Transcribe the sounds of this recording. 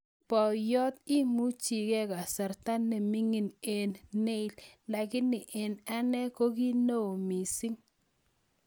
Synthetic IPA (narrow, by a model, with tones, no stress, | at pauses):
pɔ˨jɔ˦t̪̚i˦mu˦t͡ʃi˨kɛ˦ka˨sa˨ɾta˦nːɛ˨mi˦ŋi˨ne˨nːe˦i˨lla˨kɪ˦nɪ˨ʔe˨na˦nɛ˦ko˦ki˦no˦o˨mi˨si˦ŋ